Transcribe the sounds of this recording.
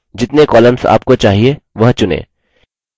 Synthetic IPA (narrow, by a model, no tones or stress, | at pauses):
d͡ʒɪt̪nekɔːləmsa̰ːpkot͡ʃaːɦieʋɐɦt͡ʃʊnḛ̃ː